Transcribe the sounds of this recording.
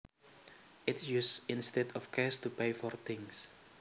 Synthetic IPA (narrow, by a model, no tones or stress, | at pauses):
ɪtjussĩnstɛdɔfkʰɛstupeɪfɔrt̪ɪ̃ŋs